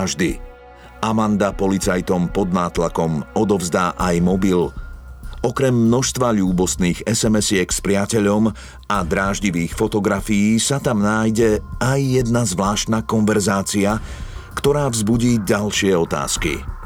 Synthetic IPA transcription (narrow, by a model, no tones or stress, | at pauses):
ʒd̪i | amand̪apɔlit͡sajt̪ɔmpɔd̪naːt̪lakɔmɔd̪ɔvzd̪aːʔajmɔbil | ɔkɾɛmːnɔʃst̪ʋaʎuːbɔst̪niːɣɛsɛmɛsɪɛkspɾɪacɛʎɔm | ad̪ɾaːʒɟiʋiːxfɔt̪ɔɡɾafijiːsat̪amnaːjɟɛajːɛd̪nazʋlaːʃt̪nakɔnʋɛɾzaːt͡siakt̪ɔɾaːvzbuɟiːɟalʃɪɛɔt̪a̰ːskḭ